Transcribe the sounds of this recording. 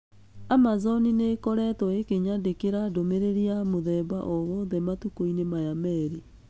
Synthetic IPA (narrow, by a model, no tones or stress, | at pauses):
amazɔninekɔɾɛtɔekeɲadekeɾadomeɾeɾiamoðɛba̰ʔɔɣɔðɛmatukoinemajamɛɾi